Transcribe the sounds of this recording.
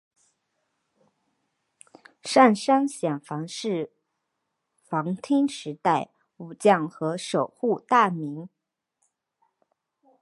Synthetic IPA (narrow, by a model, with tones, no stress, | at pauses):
ʂa˥˩nʂa˥ŋɕjɛ˨˩nfɑ˧˥ŋʂɻ̩˥˩ | fɑ˧˥ŋt̪ʰi˥ŋʂɻ̩˧˥t̪a˥˩ɪ | u˨˩t͡ɕjɑ˥˩ŋxɤ˧˥ʂo˨˩ʊxu˥˧t̪a˥˩mi˧˥ŋ